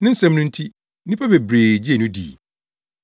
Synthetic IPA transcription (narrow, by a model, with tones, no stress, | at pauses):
nɪ̃˦n̩˦sɛ̃˦m˦nʊ̃˦n̩˦tʰi˦ | ĩ˦pʰa˦be˨bɾeː˨d͡ʑi˦e˨nũ˦dḭː˨